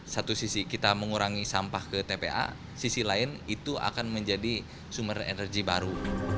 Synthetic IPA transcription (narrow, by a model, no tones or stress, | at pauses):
sat̪usisikit̪aməŋuɾaŋisampahkət̪epḛʔa̰ | sisilaɪnit̪uʔa̰kanməɲd͡ʒadi | sumərḛnərɡibaɾu